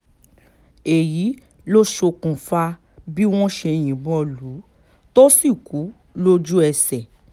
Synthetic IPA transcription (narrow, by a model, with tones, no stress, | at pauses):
e˨ji˨˦ | lo˦ʃo˧kũ˨fa˧ | bi˦w̃ɔ̃˦ʃɛ˧j̃ĩ˨bɔ˧˦lu˨˦ | to˦si˦˨ku˨˦ | lo˦d͡ʒu˦ɛ˧sɛ˨